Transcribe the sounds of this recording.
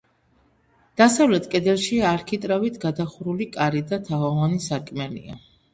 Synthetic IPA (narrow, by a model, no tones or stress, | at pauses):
d̪̥asavlɛt̪ʰkʼɛd̪ɛlˠʃiaɾkʰit̪ʼɾavit̪ʰɡad̪aχuɾulikʼaɾid̪at̪ʰavavanisakʼmɛlḭa̰